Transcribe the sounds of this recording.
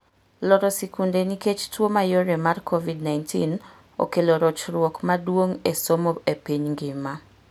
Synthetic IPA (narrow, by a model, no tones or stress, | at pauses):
lɔɾɔsikundeniket͡ʃtwomajoɾemarkʰovidnajntʰḭn | o̰keloɾot͡ʃɾwɔkmadwoŋesomoepiɲŋɡɪma